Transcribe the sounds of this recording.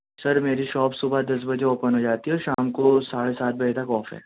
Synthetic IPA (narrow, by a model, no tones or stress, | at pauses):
sɐɾmeːɾiʃɔːpsʊbʱad̪ɐs̬bɐd͡ʒeoːpənɦod͡ʒaːt̪iɦɛɔʃaːmkosaːɽesaːt̪̚bɐd͡ʒet̪ʰakɔːfɦɛ̰ː